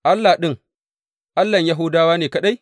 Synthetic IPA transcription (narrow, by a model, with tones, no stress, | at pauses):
ʔa˦lːa˨ɗɪ˦ŋ | ʔa˦lːɐ˨ɲja˦ɦʊː˦daː˦waː˦neː˨kɐ˦ɗa˦j